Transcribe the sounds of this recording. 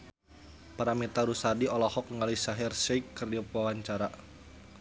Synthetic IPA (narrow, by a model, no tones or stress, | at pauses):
paɾamit̪aɾusadiɔlɔhɔkŋalisaɦirsɛikːərdiɔpawaɲt͡ʃaɾa